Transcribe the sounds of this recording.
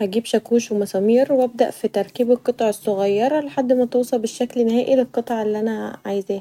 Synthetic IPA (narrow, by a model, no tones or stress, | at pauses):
hæɡiːbʃækuːʃwmæsˤɑmiːɾwæb̚d̪æʔfit̪ɑɾˤkiːbelqːot̪ˤɑʕesˤːoɣɑjːɑɾˤleħad̪ːmæt̪owsˤɑlbeʃːæklnhæːʔilelqːet̪ˤɑʕelːiʔænæʕajezæː